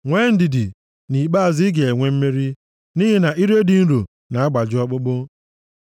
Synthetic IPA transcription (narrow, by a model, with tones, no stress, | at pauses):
ŋʷe˦n̩˦di˨dɪ˨ | ni˨k͡pa˦a˨zi˦ɡe˨e˨ŋʷe˦m̩˦me˦ɾi˦ | ni˦ɦi˨na˨ʔi˦ɾe˦di˨˦n̩˦ɾu˨ | na˨a˦ɡ͡ba˨d͡ʒɪ˦ɔ˦k͡pʊ˦k͡pʊ˦